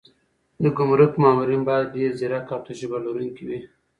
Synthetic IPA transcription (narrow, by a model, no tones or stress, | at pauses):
d̪əɡʊmɾʊkmɑːmuɾinbɑjad̪̚ɖeɾziɾakɑt̪uʃibaloɾunkiwi